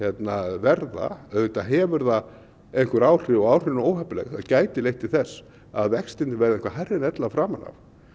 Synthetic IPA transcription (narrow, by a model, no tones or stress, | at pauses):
jɛt̪navɛɾða̰œðvɪt̪aɦɛːvʏɾða | ejŋkʏɾaːwr̥ɪɔaːwr̥ɪnoːwhɛplɛ̰xaðcaːjt̪ɪlejht̪ɪθɛsː | aðvɛkst̪ɪnt̪ɪvɛɾðɪẽŋkvaɦarːɪnɛt̪lafɾaːmana̰f